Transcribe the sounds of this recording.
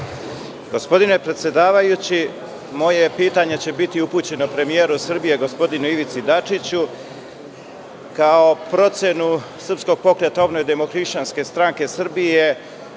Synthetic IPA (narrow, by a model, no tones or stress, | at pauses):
ɡo̞spo̞d̪ine̞pɾet̪sje̞d̪aːʋajut͡ɕi | mo̞jepiːt̪aɲe̞t͡ɕe̞bit̪iupuːt͡ɕe̞nopɾe̞mijeːɾusr̩bije̞ɡo̞spo̞d̪inuiʋit̪sid̪at͡ʂit͡ɕu | kao̞pɾo̞t̪se̞nusr̩psko̞ɡ̚po̞kɾe̞t̪aobno̞jd̪e̞mo̞xɾiʃt͡ʃanske̞st̪ɾaŋke̞sr̩bije̞